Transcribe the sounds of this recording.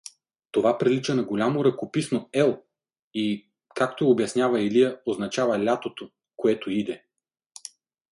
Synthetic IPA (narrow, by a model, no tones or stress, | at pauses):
t̪ovapɾilit͡ʃɐnɐɡolʲamoɾɐkopisnoɛlˠ | i | kak̚t̪oobjɐsnʲjavɐilijəoznɐt͡ʃavɐlʲat̪ot̪o | koɛt̪oid̪ɛ